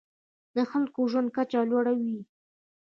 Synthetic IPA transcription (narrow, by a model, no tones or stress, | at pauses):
d̪əxalkoʒwand̪̚kat͡ʃalwaɽawi